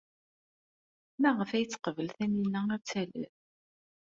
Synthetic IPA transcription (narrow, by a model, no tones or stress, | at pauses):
mæʁəfæjət͡sːə̥qəvəlθænilːææɾt͡sːælə̰θ